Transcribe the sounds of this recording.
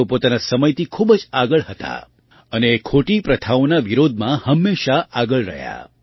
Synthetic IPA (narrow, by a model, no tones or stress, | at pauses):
opot̪anasəməjt̪ikʰubd͡ʒaɡəɭɦət̪a̰ | ənekʰoʈipɾət̪ʰaonaʋiɾod̪ʱmãhəmːeʃaʔaɡəɭɾə̰ɦja̰